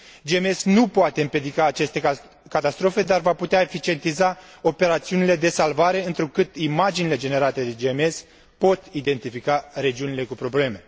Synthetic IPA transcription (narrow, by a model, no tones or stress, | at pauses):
d͡ʒeme̞snupoat̪eɨmpje̞d̪ikaːt͡ʃe̞st̪e̞ | kat̪ast̪ɾo̞fe̞d̪arvaput̪eaefit͡ʃie̞nt̪izao̞pe̞ɾat̪siunile̞d̪e̞salvaɾe̞ɨnt̪ɾukɨt̪imad͡ʒinile̞d͡ʒe̞ne̞ɾat̪e̞d̪e̞d͡ʒemes | po̞t̪id̪e̞nt̪ifikaɾe̞d͡ʒiunile̞kupɾo̞ble̞me̞